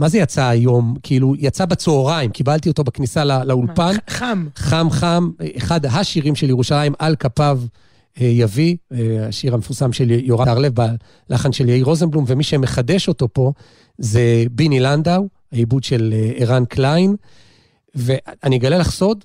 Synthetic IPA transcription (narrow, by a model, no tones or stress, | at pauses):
mazejat͡saːjo̞mkʰiilujat͡sabat͡soːʁaimkibalt̪io̞t̪o̞baknisalalaulpanmχamχameχad̪ɦaʃiʁimʃe̞ljeʁuʃalajimalkapav | ejaviaʃiʁamefuʁsamʃeljoʁaaʁlevba | laχanʃeljaiʁo̞zenblumvemiʃemeχade̞ʃo̞to̞po̞ | zebiniland̪aw | aibudʃe̞leʁanklain | veʔaniɡalelaχso̞d